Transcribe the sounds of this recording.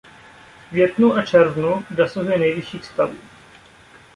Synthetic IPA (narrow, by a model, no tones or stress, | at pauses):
vjɛt̪nuʔat͡ʃɛɾvnudasoɦujɛnɛjvɪʃiːxst̪avṵː